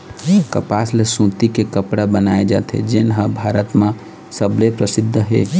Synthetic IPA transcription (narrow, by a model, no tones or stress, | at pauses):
kəpaslesũt̪ikekəpɽabənaed͡ʒa̰t̪ʰɦḛd͡ʒenɦəbʱaɾət̪mã | səblepɾəsid̪ʱːəɦḛ